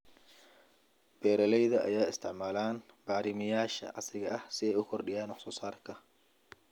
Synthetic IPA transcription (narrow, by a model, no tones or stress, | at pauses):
b̥ɛːɾɐlɛjðɐʔɐ̰jaːɪst̪ʰɪʕmaːlaːn | b̥aːɾɪmɪjaːʃɐ̰ʔɑ̰sɪɣɐʔɐhsɪɛjʊkʰɔrɖɪjaːnwɑħsɔːsaːrkʰɐ